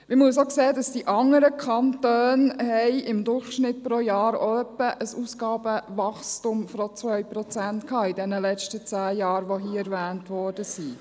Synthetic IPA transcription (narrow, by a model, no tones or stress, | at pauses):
mɪmuəs̬okseːədɑsdiʔɑŋːəɾəkʰɑntøːnɦɛɪɪmd̪ʊɾχʃnɪt̚pɾojɑːɾo̰œpːəʔəsuːskɑːb̥əvɑχstumfɾot͡sʋœɥpɾɔt͡sæntkʰɑːɪdɛnəlɛt͡ʃtət͡sæːjɑːɾʋoɦiːəɛɾvæːntʋɔːɾd̥əsi